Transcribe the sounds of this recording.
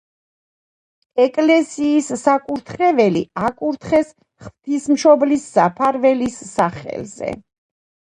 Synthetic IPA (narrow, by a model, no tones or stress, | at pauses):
ɛkʼlɛsiːsːakʼuɾt̪ʰχɛvɛliakʼuɾt̪ʰχɛs | χvt̪ʰismʃɔblisːapʰaɾvɛlisːaχɛ̰lzɛ̰